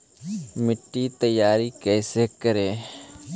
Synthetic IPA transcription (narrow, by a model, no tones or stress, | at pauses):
mɪʈːiːt̪əjːaːɾiːkɛːseːkəɾeː